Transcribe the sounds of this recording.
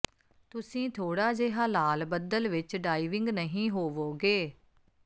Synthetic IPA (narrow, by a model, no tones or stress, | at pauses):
t̪ʊsĩːt̪ʰoːɽaːd͡ʒeɦaːlaːlbəd̪əlʋɪt͡ʃɖaːiʋɪ̃ŋɡnəɦĩːɦoːʋoːɡeː